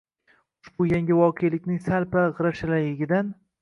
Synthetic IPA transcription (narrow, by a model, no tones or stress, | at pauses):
ʊʃbʊjaŋɡʲɪvɒqʰejlɪkʲnɪŋsalpaʁɨɾaʃɪlajɪɡʲɪd̪an